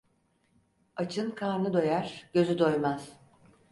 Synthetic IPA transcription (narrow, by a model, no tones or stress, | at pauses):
at͡ʃʰɯnkʰaːɾnɯd̪o̞jaɾ̥ɟ̥ø̞zyd̪o̞jmaz̥